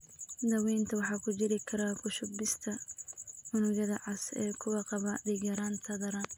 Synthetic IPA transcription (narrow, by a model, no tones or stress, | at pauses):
d̪ɐwɛjnt̪ʰɐwɑħɑːkʰʊt͡ʃɪɾɪkʰɐɾakʰʊʃʊbɪst̪ʰɐ | mʊnʊɣɐðɐʕɑsɛːkʰʊwɑqɑβɐd̪ɪɣɐɾaːnt̪ʰɐðɐɾɐn